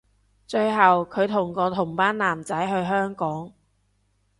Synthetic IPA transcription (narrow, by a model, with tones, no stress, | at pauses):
t͡ʃɵ˧ɥɦɐ˨wkʰɵ˨˧ɥt̪ʰʊ˨˩ŋkɔː˧t̪ʰʊ˨˩ŋpaː˥nlaː˨˩mt͡sɐ˨˥jɦɵ˧ɥɦœː˥ŋkɔː˨˥ŋ